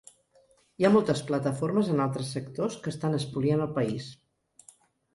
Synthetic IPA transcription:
iamɔlˠt̪əsplət̪əfoɾməzənalˠt̪ɾəsːəkt̪oskəst̪anəspulianəlˠpəis

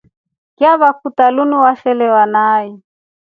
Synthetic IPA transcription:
kʼɪaβakʰutalunuwaʃɛlɛwanaːi

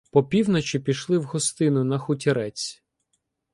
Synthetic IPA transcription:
pɔpʲiwnɔt͡ʃʲipʲiʃlˠɪwɦɔst̪ɪnʊnɐxʊtʲiɾɛt͡sʲ

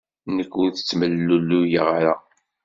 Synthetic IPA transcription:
nəkːʊɾθə̥t͡sːməlːulːujəʁɾa

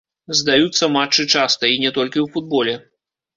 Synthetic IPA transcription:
zd̪ajut̪sːɐmat͡ʂːɨt͡ʂast̪ɐinʲɛt̪ɔlʲkʲiwfud̪̚bɔlʲɛ

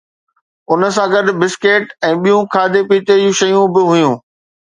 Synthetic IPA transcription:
ʊnə̆s̬ãɡɐɗʊ̆bɪskeːʈɛ̃ːɓijũkʰaːd̪epiːt̪ed͡ʑũʃɐjũbɪɦʊjũː

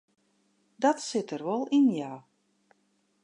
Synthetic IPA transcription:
dɑtsɪtərʋɔlˠɪnjaw

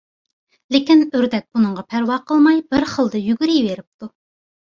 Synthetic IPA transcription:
lekʲinøɾd̪ɛk̚ʲb̥unɨɴʁɑpʰæɾwɑqʰəlˠmɑjb̥ɪɾχəlˠd̪ɨjyɡʲyɾijveɾɪp̚t̪ʰu

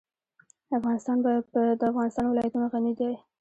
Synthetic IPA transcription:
afɣɑnɪst̪ɑnbɑjad̪pəd̪əafɣɑnɪst̪ɑnwɪlɑjat̪unoɣanid̪a

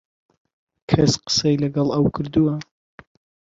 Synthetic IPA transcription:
kʰɐsqə̥sɛjlɐɡɑlˠɐwkʰɨɾd̪uwɐ

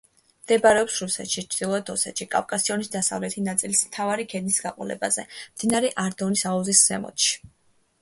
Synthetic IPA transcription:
md̪̥ɛbaɾɛɔpsɾusɛ̰t̪ʃit͡ʃʰd̪̥ilˠɔɛd̪ɔsɛt̪ʃikʼa̰vkʼasiɔnisd̪asa̰vlɛt̪ʰinat̪sʼilismt̪ʰavaɾikʰɛd̪nisɡaqʼɔ̰lɛ̰ba̰zɛ̰md̪̥inaɾɛʔaɾd̪ɔnisauziszɛmɔ̰t̪ʃi̥

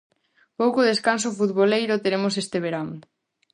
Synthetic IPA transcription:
powkoðeskansofuðβolejɾʊt̪eɾemosest̪eβ̞eɾaŋ

